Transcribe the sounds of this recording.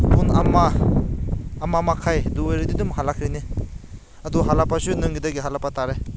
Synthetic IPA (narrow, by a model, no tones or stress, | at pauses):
punama | mamakʰajduejɾididumɦalakʰɾɯni | aduɦalapasunɯŋɡidaɡiɦalapataɾe